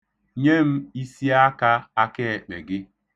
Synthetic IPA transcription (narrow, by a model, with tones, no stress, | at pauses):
ɲe˦m̩˦i˦si˦a˦ka˦a˦ke˦e˨k͡pḛ˨ɡɪ˦